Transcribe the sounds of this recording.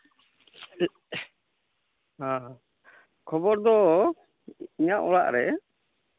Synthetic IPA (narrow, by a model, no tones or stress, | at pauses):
ɦã | kʰɔbɔɾd̪ɔ | iɲaʔɔɭa̰ʔɾɛ